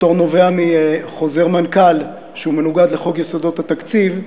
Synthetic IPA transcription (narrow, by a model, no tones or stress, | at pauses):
t̪o̞ʁno̞veamiχo̞ze̞ʁmankal | ʃeume̞nuɡad̪leχo̞ɡjesod̪ot̪hat̪akt͡siv